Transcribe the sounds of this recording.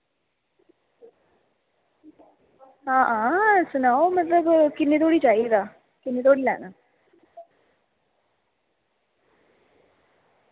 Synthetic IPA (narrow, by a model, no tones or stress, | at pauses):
ɦãːɦãːsʊnaːomət̪ləbkɪnːeːt̪̬oːɽiːt͡ʃaːid̪aː | kɪnːeːt̪̬oːɽiːlɛ̰ːnaː